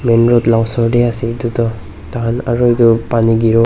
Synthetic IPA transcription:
menɾɔtlawsɔɾdeasidutɔ | taanaɾɔjdupaniɡiɾɔ

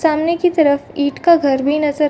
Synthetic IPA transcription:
saːmnekit̪ɐɾəfiːʈkaɡʱəɾbʱinɐzəɾ

